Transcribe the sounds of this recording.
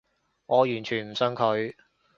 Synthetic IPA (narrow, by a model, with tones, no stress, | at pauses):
ŋɔː˨˧jyː˨˩nt͡ʃʰyː˨˩nm̩˨˩sœ˧ŋkʰɵ˨˧ɥ